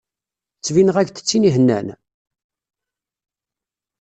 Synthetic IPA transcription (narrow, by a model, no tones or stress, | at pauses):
t͡sːvinəʁæʝθə̥t͡sːiniɦənːæ̰n